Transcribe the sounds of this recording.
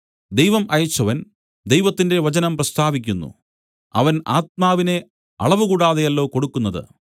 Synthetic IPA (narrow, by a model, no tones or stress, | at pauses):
d̪ejʋɐmʔɐjɐt͡ɕːɐʋɐn | d̪e̞jʋɐt̪ːinde̞ʋɐt͡ɕɐnɐmprɐst̪ʰaːʋikʲːunːṵ | ɐ̰ʋɐna̰ːt̪̚maːʋine̞ | ɐ̰ɭɐʋɨkuːɽaːðejɐlːo̞ːko̞ɽukːunːɐðɨ̰